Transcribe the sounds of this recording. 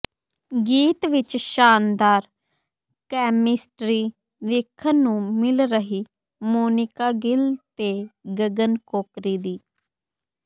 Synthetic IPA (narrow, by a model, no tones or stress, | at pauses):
ɡiːt̪ʋɪt͡ʃʃaːnd̪aːɾ | kɛːmɪsʈɾiː | ʋɪkʰːənũːmɪlɾəɦiː | moːnɪkaːɡɪlt̪eːɡəɡənkoːkɾiːd̪iː